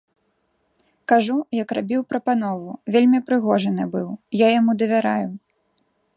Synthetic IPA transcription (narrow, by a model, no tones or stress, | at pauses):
kaʐujɐkrabʲiwpɾɐpan̪ɔvuvʲelʲmʲipɾɨɣɔʐɐnɨbɨwjajamud̪ɐvʲaɾaju